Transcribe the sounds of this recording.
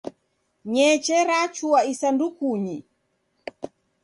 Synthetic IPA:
ɲɛt͡ʃɛɾat͡ʃuaisandukuɲi

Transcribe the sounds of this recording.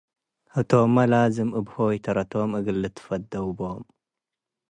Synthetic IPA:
hɨt̪ʰomːɐlazɨmʔɨbhojɛt̪ʰɐɾɐt̪ʰomʔɨɡɨlːɨt̪ʰɨ̥fɐd̪ɐwbom

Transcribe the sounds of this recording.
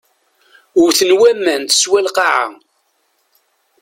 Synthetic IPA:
ʊɾθənwæmːænt̪ə̥swælqɑʕa̰

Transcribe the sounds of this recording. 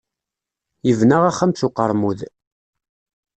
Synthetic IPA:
jəvnaʁaχːæmθʊqːəɾˤmuð

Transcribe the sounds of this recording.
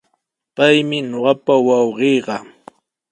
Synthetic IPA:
pajmɪɲoɢɑpawɑwɢijɢɑ

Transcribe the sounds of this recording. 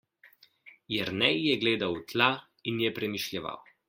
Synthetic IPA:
jɛɾnɛjjɛɡleːd̪awt̪la | injɛpɾɛmiʃlʲjɛʋa̰w

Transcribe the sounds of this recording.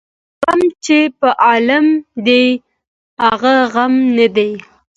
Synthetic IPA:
ɣamt͡ʃepəʔɑlamd̪e | haɣaɣamnad̪e

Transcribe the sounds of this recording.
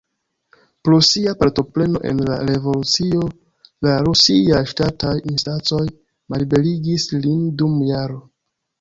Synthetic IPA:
pɾosiapaɾto̞ple̞no̞̰ʔe̞̰nla̰ɾe̞vo̞lut͡sio̞ | laɾusiajʃtatajinstant͡so̞j | malibe̞liɡislindumjaɾo

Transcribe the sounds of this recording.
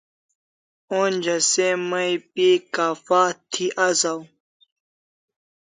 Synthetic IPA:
oːnʲd͡ʑɐsemɐjpikaːfaːt̪ʰiʔazaw

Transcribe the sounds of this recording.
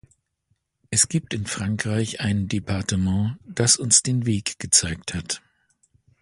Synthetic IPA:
ʔɛsɡ̥iːp̚tɪnfʁ̥aŋkʁ̥aɪçʔaɪnəndepʰaɐtəmɑ̃ːd̥asʊnsd̥eːnveːkɡ̥ət͡saɪk̚that

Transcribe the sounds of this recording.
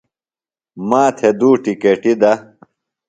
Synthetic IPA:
maːt̪ʰed̪uːʈikeʈid̪ɐ

